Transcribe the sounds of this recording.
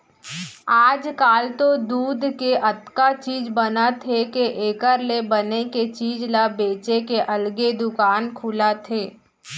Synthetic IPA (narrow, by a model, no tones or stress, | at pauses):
aːd͡ʒkaːlt̪od̪uːd̪ʱkeʔɐt̪kat͡ʃiːd͡ʒbənat̪ʰekeʔeːkəɾlebəneket͡ʃiːd͡ʒlabeːt͡ʃekeʔɐlɡed̪ʊkaːnkʰʊlat̪ʰeː